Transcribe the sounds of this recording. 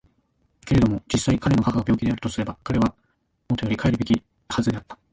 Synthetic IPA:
ke̞ɾe̞d̪o̞mo̞d͡ʑisːaikaɾe̞nokakaɡabʲo̞ːkʲid̪e̞aɾɯ̟t̪o̞sɨɾe̞bakaɾe̞β̞a | mo̞t̪o̞jo̞ɾʲikaeɾɯ̟be̞kʲi | hazɨd̪e̞at̪ːḁ

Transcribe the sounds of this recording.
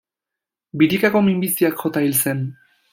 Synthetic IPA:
biɾikako̞mimbisiakxo̞t̪ailse̞n

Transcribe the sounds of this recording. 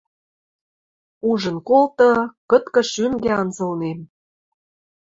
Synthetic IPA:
uʒə̆nkolt̪ɤ̆kɤ̆t̪kɤ̆ʃyŋɡeɑnzɤ̆lnem

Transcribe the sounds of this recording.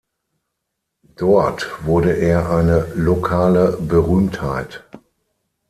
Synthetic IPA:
d̥ɔɐtv̥ʊɐdəʔeːɐʔaɪnəlokʰaːləbəʁyːmthaɪt

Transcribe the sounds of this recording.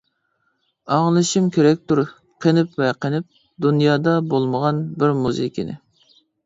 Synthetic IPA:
ɑŋlˠɨʃimkʲeɾɛk̚ʲt̪uɾɨ | qʰənɪpvɛqʰənɪp̚ | d̪unjɑːd̪ɑbolˠməʁɑnbɪɾmuzɨ̰kʲḭnɪ̰

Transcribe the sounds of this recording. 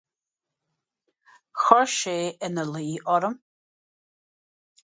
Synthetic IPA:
xɔɹʃeːʔənəliːʔɔɾəm

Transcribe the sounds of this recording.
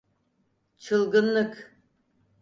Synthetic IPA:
t͡ʃʰɯlˠɡɯnlˠɯk

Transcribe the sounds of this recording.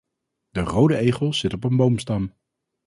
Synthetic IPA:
d̥ərowdəejχəlˠz̥ɪtɔpənbowmstɑm

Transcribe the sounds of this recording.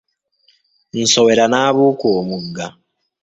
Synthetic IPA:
insoweɾanaːβukoːmuɡːa

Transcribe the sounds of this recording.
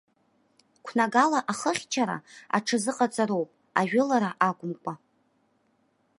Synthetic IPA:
kʷʰnaɡalaʔaχəχʲt͡ʃʰaɾa̰a̰ʈ͡ʂʰɨzɨqʼat͡sʼaɾo̞wpʼ | aʒᶣʊlaɾaʔaɡʷʼʊmkʷʼa

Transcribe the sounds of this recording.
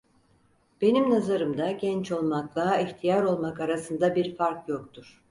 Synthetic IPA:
b̥e̞nimnazaɾɯmd̪aɟɛnt͡ʃo̞lˠmak̚d̪aɦaiçt̪ʰijaɾo̞lˠmakaɾasɯnd̪abiɾfaɾkjok̚t̪ʰuɾ̥

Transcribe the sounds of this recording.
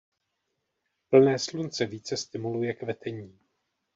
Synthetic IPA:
pl̩nɛːslunt͡sɛviːt͡sɛst̪ɪmulujɛkvɛt̪ɛɲiː

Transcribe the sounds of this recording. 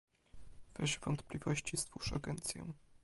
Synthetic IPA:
vɾɛɕɛvɔnt̪plʲivɔɕt͡ɕist̪vuʂaɡɛnt̪sʲjɛ̰̃

